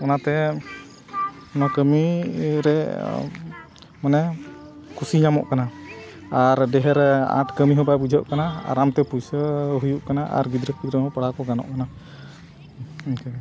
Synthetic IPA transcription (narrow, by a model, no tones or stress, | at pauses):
kanat̪ɛ | nɔkəmiɾɛ | manɛ | kusiɲamɔ̰ʔkana | aɾdɛɦɛɾɛã̰t̪kəmiɦɔ̃babud͡ʒʱɔʔkanaa̰ɾamt̪ɛpujsəɦujuʔkanaʔa̰ɾɡid̪ɾəkid̪ɾəɦɔ̃paɽakɔɡanɔ̰ʔkana | k